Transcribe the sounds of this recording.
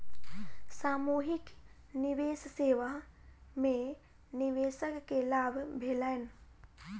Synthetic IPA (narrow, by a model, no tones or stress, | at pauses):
saːmuːɦik | niʋeːsseːʋamẽ | niʋeːsəkːelaːbʱbʱeːlajn